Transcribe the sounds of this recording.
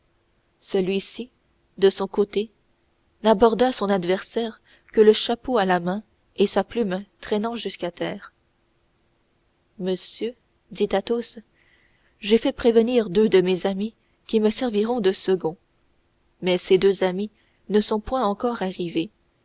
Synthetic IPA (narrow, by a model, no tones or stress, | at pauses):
səlɥisi | d̪əsɔ̃kot̪e | nabɔʁd̪asɔ̃nad̪vɛʁsɛːʁ | kələʃapoalamɛ̃ | esaplymt̪χɛnɑ̃ʒyskat̪ɛːʁ | məsjø | d̪it̪at̪os | ʒefɛpχevəniːʁd̪ød̪əmezami | kʲiməsɛʁviʁɔ̃d̪əsəɡɔ̃ | mɛsed̪øzami | nəsɔ̃pwɛ̃ɑ̃kɔʁaʁive